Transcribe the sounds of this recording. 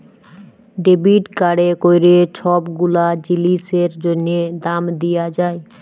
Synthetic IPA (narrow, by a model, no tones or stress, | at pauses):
ɖebiʈkaɽekojɾet͡ɕʰɔbɡulad͡ʑiliseɾd͡ʑonːed̪amd̪ijad͡ʑae